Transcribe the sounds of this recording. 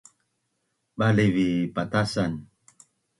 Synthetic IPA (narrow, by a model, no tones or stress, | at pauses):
ɓalevipat̪asan